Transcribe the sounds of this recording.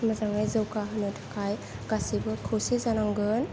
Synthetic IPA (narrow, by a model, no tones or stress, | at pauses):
mazaŋajzɯwkaɦɯnɯtʰḁkʰaj | ɡ̥asibɯkʰɯwsezanaŋɡɯn